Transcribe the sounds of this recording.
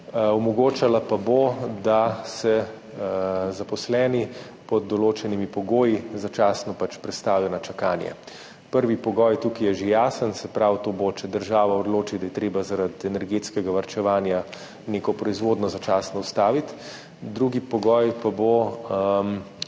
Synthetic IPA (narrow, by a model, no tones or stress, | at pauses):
ɔmɔɡoːt͡ʃalapabod̪asɛ | zapɔslɛːni | pɔd̪ːɔloːt͡ʃɛnimipɔɡoːjizat͡ʃaːsnɔpat͡ʃpɾɛt̪st̪aːwjɔnat͡ʃakaːnjɛ̰ | pəɾʋipɔɡɔːjt̪ukijɛʒejaːsənsɛpɾawt̪oːbot͡ʃɛd̪əɾʒaːʋaɔd̪loːt͡ʃid̪ajɛt̪ɾeːbazaɾad̪ɛnɛɾɡeːt̪skɛɡaʋaɾt͡ʃɛʋaːnja | neːkɔpɾɔizʋoːd̪nɔzat͡ʃaːsnɔust̪aːʋit̪ | d̪ɾuɡipɔɡɔjpabo | m